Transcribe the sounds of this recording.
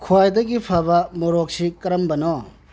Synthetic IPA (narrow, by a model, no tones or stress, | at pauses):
kʰuajdɐɡipʰabɐmoɾok̚sikɐɾɐmbɐnɔ